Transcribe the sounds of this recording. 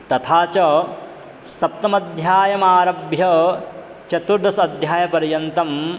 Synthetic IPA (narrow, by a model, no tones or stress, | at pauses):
t̪ɐt̪ʰaːt͡ʃɐ | sɐp̚t̪ɐmɐd̪ʱjaːjɐmaːɾɐbjɐ | t͡ʃɐt̪uɾd̪ɐsɐd̪ʱjaːjɐpɐɾjɐnt̪ɐm